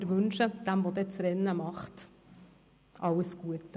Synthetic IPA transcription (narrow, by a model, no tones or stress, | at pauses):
ɾʋʉnʃəd̪̥ɛmʋod̪ɛːt͡sɾɛnːəmɑχt̪ | ʔɑləsɡ̥uət̪